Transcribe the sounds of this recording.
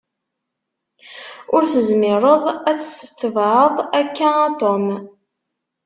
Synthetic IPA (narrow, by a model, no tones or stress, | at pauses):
ʊɾθəzmɪɾˤəðˤæt͡sːsə̥t̪ːəvʕəðˤækːææt̪om